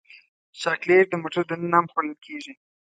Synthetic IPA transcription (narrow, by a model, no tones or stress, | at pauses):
ʃɑkleɾd̪əmoʈod̪ənənɑmxoləlkʰeʒi